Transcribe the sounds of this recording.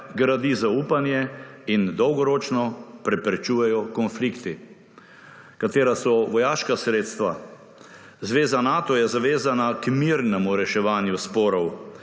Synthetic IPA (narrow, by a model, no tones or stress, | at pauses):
ɡɾad̪izauːpanjɛind̪ɔwɡɔɾoːt͡ʃnɔpɾɛpɾɛt͡ʃuːjɛjɔkɔnflikt̪i | kat̪eːɾasɔʋɔjaːʃkasɾeːt̪st̪ʋa | zʋeːzanaːt̪ɔjɛzaʋeːzanakmiɾnɛmuɾɛʃɛʋaːnjuspɔːɾɔw